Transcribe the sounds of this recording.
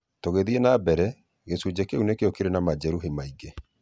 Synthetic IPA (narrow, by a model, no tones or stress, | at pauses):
toɣeðienabɛɾɛ | ɣesud͡ʑekeunekeokeɾenamad͡ʒɛɾuɦimaiɡe